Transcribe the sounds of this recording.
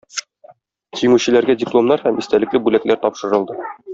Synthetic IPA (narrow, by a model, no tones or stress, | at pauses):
t̪imɘɕɘ̆læɾɡædʲɪplˠo̞mnɑɾhæmĭst̪ælɘ̆klɘbʉlæklʔæɾt̪ɒpʃɤ̆ɾɤ̆lˠd̪ɤ